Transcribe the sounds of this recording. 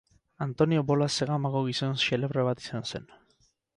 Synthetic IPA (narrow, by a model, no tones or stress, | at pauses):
ant̪o̞nio̞bo̞laseɣamaɣoɣ̞isonsele̞βreβat̪i̥sansen